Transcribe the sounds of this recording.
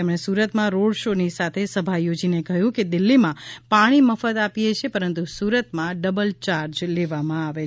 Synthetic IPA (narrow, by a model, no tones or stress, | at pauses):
emɳ̃esuɾət̪mãɾoɽʃonisat̪ʰesəbʱajod͡ʒinekəɦjũked̪ɪlːimãpaɽ̃iməfət̪apijet͡ʃʰepəɾənt̪usuɾət̪mãɖəbəlt͡ʃaɾd͡ʒleʋamãaʋe